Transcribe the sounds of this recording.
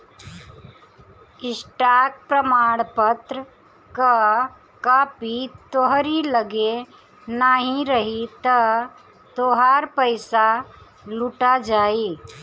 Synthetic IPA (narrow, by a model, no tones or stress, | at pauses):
ɪsʈaːk̚pɾəmaːɽ̃pət̪ɾə | ka | kapit̪oɦɾiləɡe | naːɦĩɾəɦit̪ə | t̪oɦaːɾpəɪsa | luʈad͡ʒaːiː